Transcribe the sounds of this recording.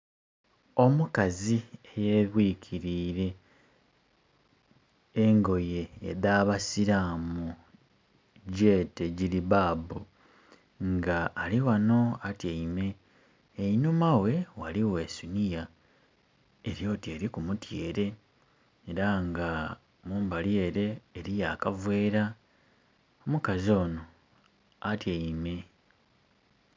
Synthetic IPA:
o̞mukaziejeβwiːkʰiɾiːɾe̞ | ŋɡo̞je̞̰ːdaːβasiɾamu | ɟeːte̞ɟiliβaːbu | ŋɡaːliwano̞atjaime̞ː | inumawe̞waliwe̞ːsunija | eɾjo̞ːte̞ːɾikumutjeːɾe̞ː | ɾaŋɡa | muːmbalje̞ːɾe̞ːɾijaːkavwe̞ːɾa | omukazio̞ːno̞ | atjaime̞

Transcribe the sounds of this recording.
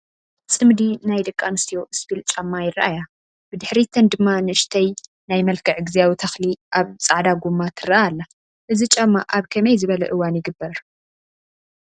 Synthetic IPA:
sʼɨmd̪inajd̪ɨkʼːanɨst̪ijoʔɨsbilt͡ʃʼɐmːajɪraʔaja | b̥ɨd̪ɨħɾit̪ʰɐnd̪ɨmːanɨɨʃt̪ʰɐj | najmɐlkʰɨʕɡɨzijawit̪ʰɐxliʔaβt͡sʼaʕd̪aɡumːat̪ʰɨraalːɐ | ʔɨzit͡ʃʼɐmːa̰ʔaβkʰɐmɐjzɨβɐlɐ̰ʔɨwːanjɪɡɨbːɐɾ

